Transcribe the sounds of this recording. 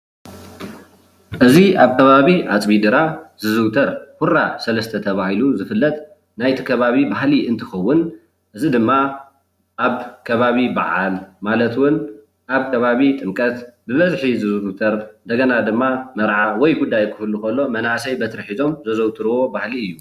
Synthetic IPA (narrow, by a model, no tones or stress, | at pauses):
ʔɨziʔaβkʰɐβaβiʔat͡sʼbid̪ɨɾazɨzɨwt̪ʰɐɾkuɾasɐlɐst̪ʰɐt̪ʰɐβahiluzɨfɨlːɐt̪ʼ | najt̪ʰi̥kʰɐβaβibaɦliʔɨnt̪ʰɨxɐwːʊn | ʔɨzid̪ɨmːa | ʔaβkʰɐβaβiba̰ʕalmalɐt̪wʊn | ʔaβkʰɐβaβit̪ʼɨmkʼɐt̪bɨβɐzħizɨzɨt̪ʰɐɾnd̪ɐɡɐnad̪ɨmːamɐɾʕawɔjɡud̪ːajkʰɨfɨlukɐlːo̞mɐnasɐjbɐt̪ʰɾħizo̞mzɐzɐwt̪ʰɨɾɨwo̞bahliɨjːu